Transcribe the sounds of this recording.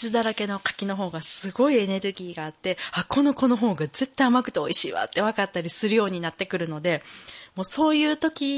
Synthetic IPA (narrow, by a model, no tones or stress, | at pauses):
sɨd̪aɾake̞no̞kḁkʲino̞ɦo̞ːɡasɨɡo̞ie̞ne̞ɾɯ̟ɡʲiːɡaːt̪ːe̞akʰo̞no̞ko̞no̞ɦo̞ːɡaze̞t̪ːaiamakɯ̟̥t̪eoiɕiːβa̰t̪ːe̞β̞akat̪ːaɾʲisɨɾɯ̟jo̞ːɲ̟inat̪ːe̞kɯ̟ɾɯ̟no̞d̪e̞mo̞ːso̞ːjɯ̟ːt̪o̞kʲi